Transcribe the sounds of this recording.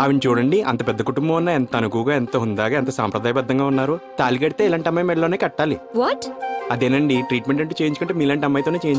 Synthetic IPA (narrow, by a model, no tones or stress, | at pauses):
aʋinit͡ʃuːɽɐɳɖiʔɐ̰nt̪ɐpɛd̪ːɐkuʈumbɐ̃mɐnːaːent̪ɐnukuːɡaːent̪oːund̪aːɡaːent̪ɐsa̰ːmpɾɐd̪aːjɐbɐd̪ʱːɐŋɡaːunːaːɾut̪aːlikɐɽit̪e̞ːilaːɳʈɐmːaːjmɛɭloːneːkɐʈːaːliʋɔʈɐd̪eːnɐɳɖiʈɾiːʈmeɳʈɐɳʈːut͡ʃeːjiɲt͡ʃukɐɳʈeːmiːlaːɳʈɐmːaːjt̪oːne̞ːt͡ʃeːjiɲt͡ʃ